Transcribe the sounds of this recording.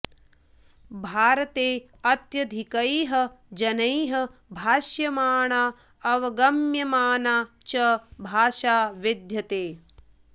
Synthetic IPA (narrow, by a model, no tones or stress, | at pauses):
bʱaːɾɐt̪eː | ɐt̪jɐd̪ʱikɐjɦɐd͡ʒɐnɐjɦɐbʱaːʃjɐmaːɳaː | ɐʋɐɡɐmjɐmaːnaːt͡ʃɐbʱaːʃaːʋid̪ʱjɐt̪eː